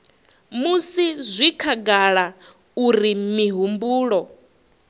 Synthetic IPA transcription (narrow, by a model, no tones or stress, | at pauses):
musizʷikʰaɡaɺa | uɾimiɦumbuːɺɔ